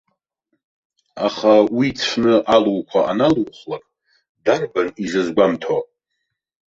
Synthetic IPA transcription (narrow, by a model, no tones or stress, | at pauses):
aχawit͡sʷʰnɨʔaluwkʷʰaʔanaluwχlakʼ | darbanizɨzɡʷamtʰo